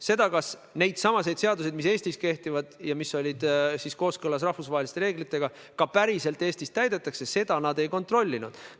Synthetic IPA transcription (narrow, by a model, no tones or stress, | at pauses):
se̞d̪̥ɑkɑsne̞jd̪̥sɑmɑse̞jd̪̥se̞ɑd̪us̬e̞d̪mis̬e̞ːst̪iske̞ht̪ivɑd̪̥jɑmisːo̞lʲid̪̥sisko̞ːskɤlɑs̬rɑhvusvɑːɦelist̪e̞ɾeːɡ̥lit̪ːˑe̞ɡ̥ɑ | kɑpæɾise̞lt̪ːˑeːst̪ist̪æjd̪e̞t̪ːˑɑkse̞se̞d̪̥ɑnɑd̪e̞jko̞nt̪ro̞lʲːinud̪̥